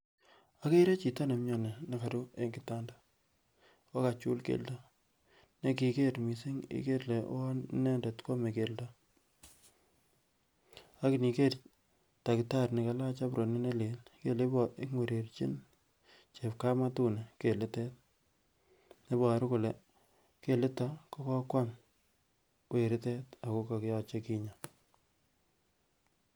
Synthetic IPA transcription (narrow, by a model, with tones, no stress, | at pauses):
a˦ke˦ɾe˦t͡ʃi˨ta˦ne˨mɲɔ˨ne˨ne˨ka˨ɾu˦e˦ŋɡɪ˨ta˦ndḁ˨ | wa˦ka˨t͡ʃu˦lkḛ˨lda˦ | ne˦ki˨ke˦ɾmi˨si˦ŋḭ˦ke˦ɾle˨˦ne˦nde˨tko˦me˨ke˨lda˦ | a˦ki˨ni˨ke˦t | ta˨kɪ˨ta˦ɾne˨ka˨la˦t͡ʃa˦pɾo˨ni˦ne˦le˨lke˦le˦bɔ˨ʔɪ˦ŋwe˨ɾe˨rt͡ʃi˦n | t͡ʃe˨pka˦ma˦tu˦ne˨ke˨lɪ˦te˦t̚ | ne˦bɔ˨ɾkʊ˨le˨ | ke˦lɪ˦ta˦ko˦kɔ˦kwa˦n | we˨ɾɪ˦te˦ta˨ko˦ka˨kɪ˦jɔ˨t͡ʃe˦ki˦ɲa˨